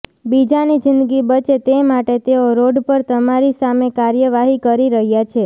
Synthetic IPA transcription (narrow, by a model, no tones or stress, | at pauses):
bid͡ʒanid͡ʒɪnd̪əɡibət͡ʃet̪emaʈet̪eoɾoɖpəɾt̪əmaɾisamekaɾjəʋaɦikəɾiɾəɦjat͡ʃʰe